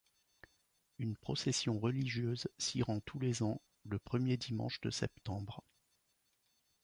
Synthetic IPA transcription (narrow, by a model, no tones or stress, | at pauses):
ynpχɔsɛsjɔ̃ʁəliʒjøzsiʁɑ̃t̪ʰulezɑ̃ | ləpχəmjed̪imɑ̰̃ʃd̪əsɛ̰pt̪ɑ̃bʁ